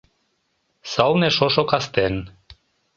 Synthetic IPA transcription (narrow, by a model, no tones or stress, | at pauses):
sɑwneʃoʃokast̪en